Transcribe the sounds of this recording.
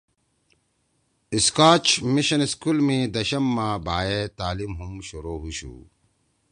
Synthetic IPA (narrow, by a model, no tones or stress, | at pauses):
iskaːt͡ɕmiɕɐniskulmẽːd̪ɐɕɐmːaːbʱaːet̪aːlimɦumɕuɾoːɦuɕṵ